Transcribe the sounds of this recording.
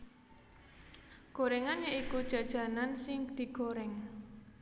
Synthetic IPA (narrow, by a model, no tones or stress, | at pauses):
ɡ̥oɾɛŋanjaikud̥ʒ̥a̤d̥ʒ̥a̤nansɪŋd̪̥i̤ɡ̥oɾɛŋ